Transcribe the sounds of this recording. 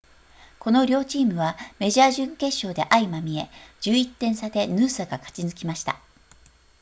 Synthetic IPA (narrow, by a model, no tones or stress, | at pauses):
ko̞no̞ɾʲo̞ːt͡ɕiːmɯ̟βame̞ʑaːʑɨ̃ŋke̞ɕːo̞ːd̪e̞ʔaimamʲie̞d͡ʑɨːit̪ːẽ̞ɰ̃sad̪e̞nɯːsaɡakḁt͡ɕinɨkʲimaɕi̥t̪a̰